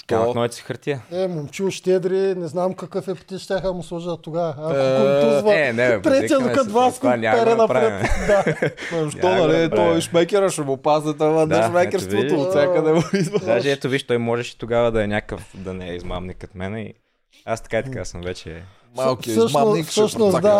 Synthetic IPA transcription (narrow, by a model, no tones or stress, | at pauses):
k̪ɐnɔjt̪si̥xəɾt̪iəɛmomt͡ʃilˠʃt̪ʲɛd̪ɾinɛznamkɐkɤfɛpt̪iʃt̪ʲjaxd̪ɐmʊslˠuʒət̪ʊɡavɐːkout̪uzvɐɛnɛt̪ɾɛt̪iijəd̪ʊkɐd̪vaskanʲapɛɾɛnɐpɾaɾɛmd̪aɐmʃɔnɐlit̪ɔiʃmɛkʲɛɾɐʃɛmʊpaznɛt̪ɐvɐd̪ɛʃmɛjkʲɛɾvot̪oʊt̪sjakɐd̪ɛmoizvɐd̪aʒʒɛɛt̪oviʃt̪ɔjmɔʒɛʃi̥t̪oɡavɐd̪ɐɛnʲakəfd̪ɐnɛɛizma̰mnikot̪mɛnɛḭ | ast̪ɐ̥kait̪ɐkasəmvɛt͡ʃɛ̰ | malˠkssʃaosfsəʃnosd̪a